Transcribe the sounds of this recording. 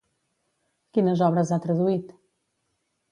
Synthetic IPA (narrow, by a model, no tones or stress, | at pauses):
kinɐzɔβɾɐzat̪ɾɐðuit̪